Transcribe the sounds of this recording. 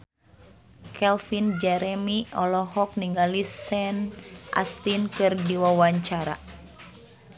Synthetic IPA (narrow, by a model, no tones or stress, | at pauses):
kʰɛlfind͡ʒɛɾɛmiɔlɔɦɔk̚niŋɡalisɛnʔa̰st̪inkɨrdiwawaɲt͡ʃaɾa̰